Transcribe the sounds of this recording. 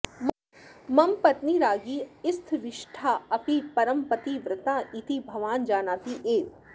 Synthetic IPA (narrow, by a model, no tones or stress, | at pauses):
m | mɐmpɐt̪niɾaːɡiɪst̪ʰʋɪʃʈʰaːɐpipɐɾəmpət̪iʋɾɪt̪aːʔit̪ibʱɐʋaːnd͡ʒaːnaːp̪iʔeːt̪